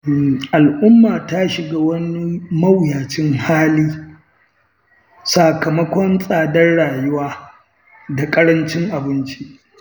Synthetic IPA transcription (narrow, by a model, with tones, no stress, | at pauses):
ʔa˨lʔʊ˦mːaː˨taː˦ʃɪ˨ɡaː˦wɐ˦ni˦mɐ˦wjaː˨t͡ʃɪ˦ŋhaː˦liː˦ | saː˨kɐ˨mɐ˦kʷɔ˦nsʼaː˨dɐ˦rɽaː˨jʊ˦waː˦ | da˨kʼɐ˦ɽɐ˦nt͡ʃɪ˦ŋʔa˨bɪ˦nt͡ʃi˦ʔ